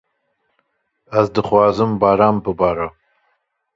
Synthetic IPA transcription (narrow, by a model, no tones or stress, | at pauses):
azdɨχwaːzɨmbaːɾaːmpɨbaːɾa